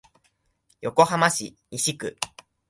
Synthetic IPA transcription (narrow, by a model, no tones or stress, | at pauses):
jo̞ko̞hamaɕḭɲiɕikɯ̟̰